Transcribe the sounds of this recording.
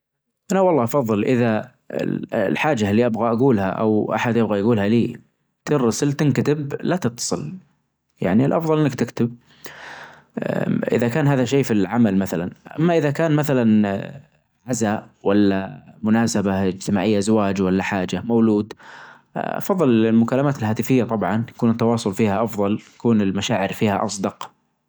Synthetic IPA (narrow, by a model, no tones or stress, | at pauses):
ʔanawɑlˤːɑːʔɑfɑðˤːɨlʔɪða̰ | lħaːd͡ʒalːiʔabɣaʔaɡuːlha̰ʔa̰wʔa̰ħad̪jɪbɣajaɡuːlhaliː | t̪ɪɾːɑsɪlt̪ɪnkat̪ɪblat̪ɨt̪ːɑ̥sˤɨl | ja̰ʕnilʔɑfðˤɑlʔɪnːɪkt̪ɪkt̪ɪb̚ | ʔɪ̰ðakaːnɦaːðaʃeːfilʕamalmaθalanʔa̰mːaʔɪðakaːnmaθalan | ʕazaʔ | walːamʊnaːsabaɪd͡ʒt̪ɪmaːʕɪjːazawaːd͡ʒwalːaħaːd͡ʒamawluːd̪ | ʔɑ̰fɑðˤːɨlɪlmʊkalːamaːt̪ɪlɦaːt̪ɪfɪjːat̪ˤɑbʕɑnj̪ḁkuːnt̪ːɑwɑːsˤʊlfiːhaʔɑfðˤɑlt̪ḁkuːnɪlmaʃaːʕɪɾfiːhaʔɑsˤd̪ɑq